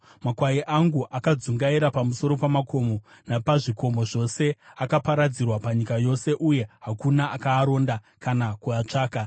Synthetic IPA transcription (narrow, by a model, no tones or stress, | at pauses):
makwajiʔaŋɡuʔakad͡zuŋɡaiɾapamuso̞ɾo̞pamako̞mo̞ | napaʐiko̞mo̞ʐo̞se̞akapaɾad͡zirwapaɲikajo̞se̞ʔuje̞ɦakunaʔakaːɾo̞ːnda | kanakuat͡ʂaːka